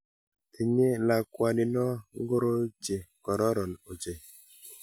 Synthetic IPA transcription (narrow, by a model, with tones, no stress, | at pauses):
e˨ɲe˦la˨kwa˨nɪ˨nɔ˦ŋ˦ɡo˦ɾo˦t͡ʃe˨kɔ˨ɾɔ˦ɾɔ˨no˨t͡ʃe˨